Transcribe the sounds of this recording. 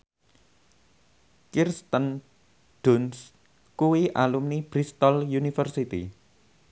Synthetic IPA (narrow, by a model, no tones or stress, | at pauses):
kirst̪ən | ɖ̪̥ʊns | kuwiʔalumnib̥ɾist̪ɔljunifərsit̪ḭ